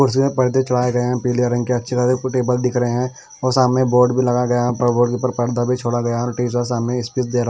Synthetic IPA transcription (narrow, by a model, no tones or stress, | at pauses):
kʊɽsimẽpɐɽ̤d̪et͡ʃɐɽaːeɡɐeɦɛ̃piːlijaɾɐ̃ŋɡkeɐtːʃʰekaɾeʈeːbəld̪ɪkʰɾəɦeɦɛ̃ | ɔːɾsaːmnẽboːɾɖbʱilɐɡaɡɐjaɛpəɽboːɖkipəɾpɐɽ̤d̪abʱit͡ʃʰoːɽaɡɐjaɛɔːɾʈiːs̬as̬aːmnẽɪspisd̪eːɾa